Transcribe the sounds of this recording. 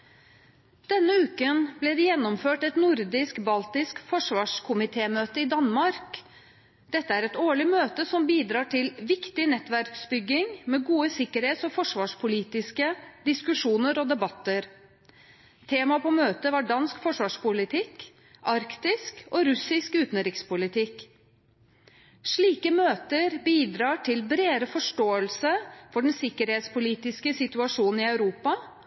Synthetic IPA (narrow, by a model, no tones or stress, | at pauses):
d̪̥ɛnːəʉːkənblɛd̪ɛjɛnːɔmføːʈɛt̪nʊɾd̪ɪskbɑlt̪ɪskfɔʂʋɑːʂkʰʊmɪt̪ʰeːmøːt̪əɪd̪ɑnmɑɾk | d̪̥ɛt̪ːəæɾɛt̪oːɭɪmøːt̪əsɔmbiːd̪ɾɑːʈɪlʋɪkt̪ɪnɛt̪ʋæɾksbʏɡːɪŋmɛɡuːəsɪkːəɾheːt̪sɔfɔʂʋɑːʂpʰʊliːt̪ɪskəd̪ɪskʉʂuːnəɾɔd̪ɛbɑt̪ːəɾ | t̪ʰeːmɑpɔmøːt̪əʋɑɖɑnskfɔʂʋɑːʂpʊlɪt̪ʰɪk | ʔɑɾkt̪ɪskɔɾʉsɪskʉːt̪nɾɪkspʊlɪt̪ʰɪk | ʂɭiːkəmøːt̪əɾbiːd̪ɾɑːʈʰɪlbɾeːɾəfɔʂʈoːəlsəfɔɖɛnsɪkəɾheːt̪spʊliːt̪ɪskəsɪt̪ʉɑʂuːnn̩ɪɑʉɾuːpɑ